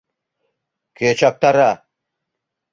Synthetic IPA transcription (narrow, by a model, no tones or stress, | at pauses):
kʰet͡ʃak̚t̪aɾa